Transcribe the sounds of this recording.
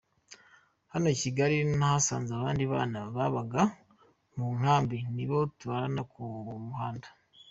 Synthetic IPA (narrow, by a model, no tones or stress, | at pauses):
hano̞ciɡaɾinahasaːnzaβaːndiβaːnaβaβaɡa | muŋ̥haːmbiniβo̞tuβaɾanakumuhaːndḁ